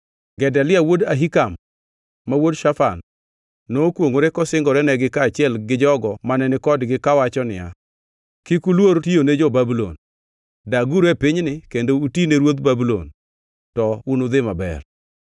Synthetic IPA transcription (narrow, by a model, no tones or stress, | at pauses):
ɡɛdalɪawodaɦikamː | awodʃafanː | okwoŋoɾekɔsɪŋɡɔɾɛnɛɡɪkaːt͡ʃɪɛlɡɪd͡ʒɔɡɔmanɛnɪkɔdɡɪkawat͡ʃɔnɪ̰ja̰ | kɪkulwoɾtijoned͡ʒɔbabulo̰n | daɡuɾepɪɲnɪkendoutineɾwot̪babulo̰n | tɔunod̪ɪmabɛ̰r